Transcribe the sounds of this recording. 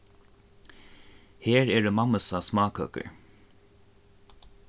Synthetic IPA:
heːɹɛːɹəmaməsasmaːkʰœ̰kə̰ɹ

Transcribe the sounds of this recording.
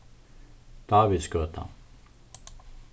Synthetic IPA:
d̪̥aːvɪðskœːt̪ʰa̰

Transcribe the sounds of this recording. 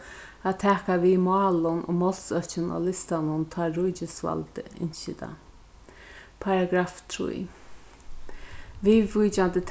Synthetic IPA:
at̪ʰɛːkavimaːlʊnʔʊ̰ːmɔl̥sœht͡ʃɪna̰ːlɪst̪anʊnt̪ʰaːɾʊjt͡ʃɪsva̰lt̪əɪ̰nʃɪd̪a̰ | pʰaɾaɡɾaːft̪ʰɾṵj | vivujt͡ʃant̪ət̪ʰ

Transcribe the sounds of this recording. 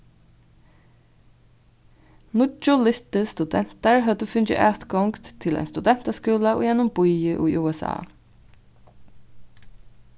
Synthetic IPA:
nʊt͡ʃːʊlɪt̪əst̪ʉd̪ɛn̥t̪aɹɦœd̪əfʏnt͡ʃɪ̰ʔœːt̪ɡɔŋkt̪t̪ʰːɪlæ̰jnst̪ʉd̪ɛn̥t̪askuːlaʊ̰jɛnʊmbʊjəʔṵjʔuːɛsa̰ː

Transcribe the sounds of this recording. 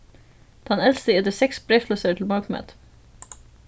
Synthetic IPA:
d̪̥ɑnɛlst̪əɛt̪əsɛksbɾɛfləsəʈʰl̩mɑɹkmæ̰t̪

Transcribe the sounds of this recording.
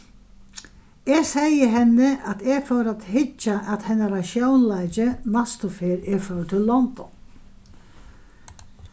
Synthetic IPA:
ɛɣsɛjəɦɛnːɪʔat̪ɛɣfœwɾat̪hɪt͡ʃːaʔat̪hɛnːaɾaʃjownlajt͡ʃɪnast̪ʊfɪːɾɛɾfœːt̪ʰɪlːɔnd̪ɔ̰n

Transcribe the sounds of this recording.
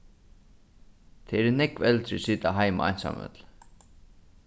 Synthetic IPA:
t̪ʰɛɾnɛkvɛlt̪ɾɪsiːt̪aɦajma̰a̰jnsa̰mœ̰t̪l̥

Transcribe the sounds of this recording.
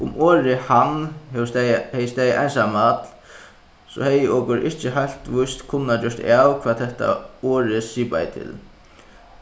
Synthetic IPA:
ʊmoːɾɪhan | hɛjəst̪ɛːjəʔa̰jnsamat̪l | sɔ̰hɛjəʔɔkʊɾʔɪht͡ʃɪɦajl̥t̪ʋʊjst̪kʰʊnːat͡ɕœʂt̪aːwkʰvaːt̪t̪ʰɛht̪a̰oːɹɪsiːpa̰jt̪ʰɪ̰l

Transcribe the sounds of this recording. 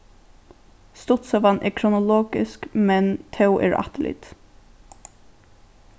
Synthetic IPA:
st̪ʊt̪sɔvanʔɛ̰kʰɾʊnʊlɔːɡɪskmɛnt̪ʰɛwʔɛ̰ɹa̰t̪ɪlɪ̰t̪

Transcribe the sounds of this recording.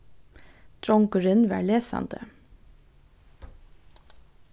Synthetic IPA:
d̪̥ɾɔŋkəɹənʋæ̰ːɭeːsɑ̰nd̪ə

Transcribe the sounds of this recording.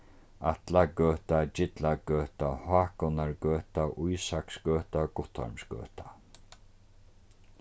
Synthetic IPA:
a̰t̪laɡøːt̪ad͡ʒɪt̪laɡœːt̪ahaːkɔnaɹɡœːt̪aʔʊjsaksɡœːt̪aɡ̥ʊt̪ʰːɔ̰ɹmsɡøœ̰ːt̪ḁ

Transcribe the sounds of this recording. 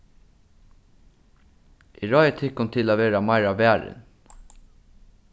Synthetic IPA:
iɹɔʏət̪ʰɪkʊnt̪ʰɪlaːʋeːɾamɑɪɹaʋæːɹɪ̰n

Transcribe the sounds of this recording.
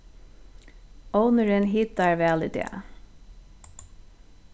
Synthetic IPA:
oʊnəɹənɦɪt̪ɑɹʋæːlɪd̪ḛː

